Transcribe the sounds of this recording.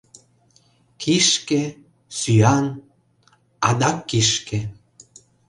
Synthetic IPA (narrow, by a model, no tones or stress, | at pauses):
kʰiʃke | syɑn | ɑ̰d̪ɑkːiʃkĕ